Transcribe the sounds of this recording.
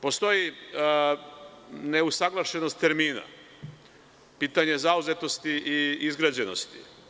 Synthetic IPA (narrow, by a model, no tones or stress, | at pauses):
po̞st̪o̞ji | ne̞usaɡlˠaʃe̞no̞st̪ːe̞ɾmiːna̰ | piːt̪aɲe̞zauze̞t̪o̞st̪iʔiizɡɾad͡ʑe̞no̞̰st̪i̥